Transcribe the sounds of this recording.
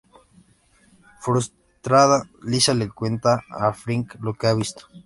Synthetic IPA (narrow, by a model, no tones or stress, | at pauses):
fɾus | t̪ɾaðalisalekwent̪aːfɾiŋklokeaβist̪o̥